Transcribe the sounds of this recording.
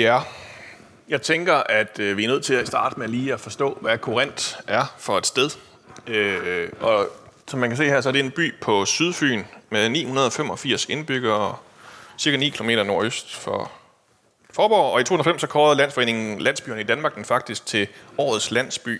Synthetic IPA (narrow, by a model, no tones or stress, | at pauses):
æ | jɑ̈ɪt͡sʰeŋɡ̥ɐʔæd̥øʋiæɐnøð̰ˠt͡sʰe̝læsd̥ɑ̈ːd̥meliːæfɒ̽sd̥ɔ̰̽ːʋækʰoʁen̰d̥æɐfɒ̽e̝d̥sd̥eð̞ˠ | øʔɒ̽ | sɒ̽mːænkʰæse̝̰ːheɐ̰sɒ̽æɐd̥e̝enb̥y̰ːpʰɒ̽syðˠfy̰ːnmeðˠnḭːhunɐð̞ˠɒ̽femɒ̽fiɐ̰se̝nb̥yɡ̥ɐ | siɐkʰænḭːkʰilome̝̰ːɾɐno̝ɐøsd̥fɒ | fɒːb̥ɒ̰ːɒ̽it͡sʰo̝hun̩ɐfem̰sɒ̽kʰɒːð̩ˠlæn̰sfɒ̽ḛːne̝ŋn̩n̩læn̰sb̥y̰ːɐnəidænmɑ̈ːɡ̥̚d̥enfɑ̈ɡ̥̚d̥isɡ̥̚t͡sʰe̝ɒ̰ːð̩ˠslæn̰sb̥y̰ː